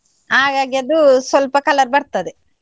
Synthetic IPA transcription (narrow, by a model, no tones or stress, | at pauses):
haːɡaːɡiɐd̪usʋɐlpɐkɐlɐɾbɐɾt̪ɐd̪e